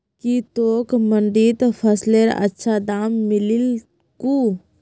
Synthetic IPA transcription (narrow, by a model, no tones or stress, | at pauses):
kit̪oːkməɳɖiːt̪pʰəsleɾ̰ə̰tːʃʰad̪aːmːɪlɪl | ku